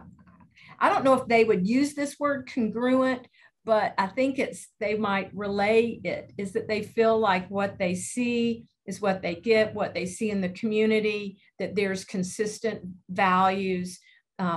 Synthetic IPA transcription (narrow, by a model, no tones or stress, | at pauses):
aɪɾõʊ̃nːoʊəfðeɪwɨd̚jʉzðɪswɜ˞d̚kʰɨ̃n̩ɡɹʉə̃n | b̥ʌɾaɪθɪ̃ŋkɨtsðeɪmaɪt̚ɹɪleɪɪɾɨzðɨt̪̚ðeɪfilaɪkwʌt̪̚ðeɪsi | ɨzwʌt̪̚ðeɪɡɛt̚wʌt̪̚ðeɪsiɨ̃nðɨkʰm̩jʉnɨɾi | ðɨt̪̚ðə˞z̥kʰɨ̃n̩sɪstɨ̃ntvælˠjʉz̥